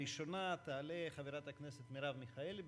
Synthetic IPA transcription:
iʃo̞nat̪aːleχaveɾat̪akne̞set̪miɾavmiχael

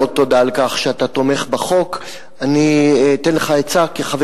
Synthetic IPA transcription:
ot̪ːo̞d̪aːlkaχʃeat̪at̪o̞meχbaχo̞k | anit̪enleχaet͡sakeχave

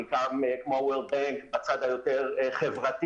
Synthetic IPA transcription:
ikʰamɛkʰmɔwɪlˠbɛŋkʰbat͡sadajʊtɛɾɛχɛvrati

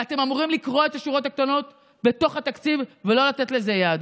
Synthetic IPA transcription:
at̪e̞mamuʁimlikʁo̞et̪aʃuʁotak̚t̪ono̞t | be̞t̪o̞χhat̪akt͡sivvelo̞lat̪et̪le̞zejad̪

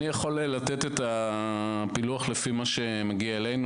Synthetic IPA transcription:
ijaχo̞lelat̪et̪et̪a | piluaχlefimaʃe̞maɡiaelejnu

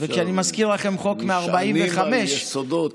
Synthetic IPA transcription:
vekʃanimaskiʁlaχemχokmeaʁbaimveχameʃsod̪o

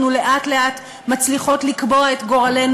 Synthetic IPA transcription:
nule̞ʔatle̞at | mat͡sliχo̞tlikbo̞aetɡo̞ʁale̞n

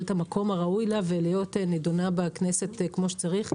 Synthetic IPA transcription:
tamakʰo̞maʁaujlavelejo̞tenedonabeknese̞tkmo̞ʃe̥t͡saʁiχ

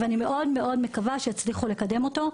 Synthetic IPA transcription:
veanime̞ʔo̞dmeo̞dme̞kavaʃejat͡sliχule̞kade̞mo̞to̞

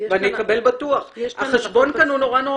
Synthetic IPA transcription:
veanijekabe̞lbatuaχhaχeʃbo̞nkanuno̞ʁano

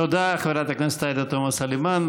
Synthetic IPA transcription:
od̪aχaveɾat̪aknase̥t̪aed̪at̪omasaliman

